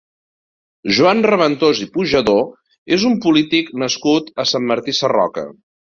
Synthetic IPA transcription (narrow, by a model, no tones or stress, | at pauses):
ʒuanrəβənt̪ozipuʒəðo | ezumpulit̪iknəskut̪əsamːəɾt̪isərɔ̰kə̰